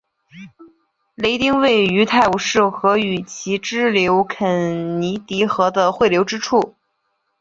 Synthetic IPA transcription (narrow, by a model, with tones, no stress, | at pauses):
le˧˥ɪt̪i˥ŋwe˥˩ɪy˧˥t̪ʰa˥˩ɪu˧˥ʂɻ̩˥˩xɤ˧˥y˨˩t͡ɕʰi˧˥ʈ͡ʂɻ̩˥ljo˧˥ʊkʰə˨˧˩nni˧˥t̪i˧˥xɤ˧˥d̪ə˧xwe˥˩ɪljo˧˥ʊʈ͡ʂɻ̩˥ʈ͡ʂʰu˥˩